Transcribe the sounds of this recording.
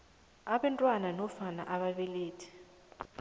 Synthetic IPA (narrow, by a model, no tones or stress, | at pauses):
aɓɛntʼwananɔfana̰ʔaɓaɓeleːtʰi̥